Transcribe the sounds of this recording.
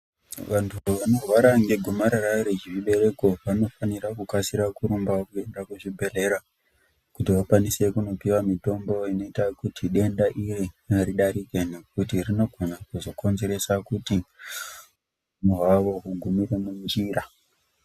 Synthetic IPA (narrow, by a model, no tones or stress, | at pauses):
ʋantʰuʋano̞rwaɾaŋɡe̞ɡʱomaɾaɾaɾet͡ʃiʐiɓe̞ɾe̞ko̞ʋano̞faniɾakukasiɾakuɾumbaakue̞ndakuʐibʱe̞le̞ɾa | kutiʋakwanise̞kuno̞piwamito̞mbo̞ino̞itakutiɗe̞ndaʔiriaɾiɗaɾike̞ne̞k̚utirino̞ɡʱo̞nakuzo̞ko̞nze̞ɾe̞sakuti | umuɦaʋo̞ɦuɡʱumiɾe̞mund͡ʒiɾa